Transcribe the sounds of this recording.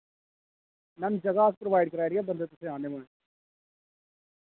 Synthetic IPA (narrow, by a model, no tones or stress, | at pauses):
nɐnd͡ʒɐɡaːspɾoʋaːɪɖ̚kɐɾaːɾijabɐnd̪et̪ʊsẽaːnemɐɳ